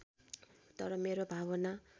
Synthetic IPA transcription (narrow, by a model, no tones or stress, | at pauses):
t̪ʌɾʌmeɾobʱaβʌna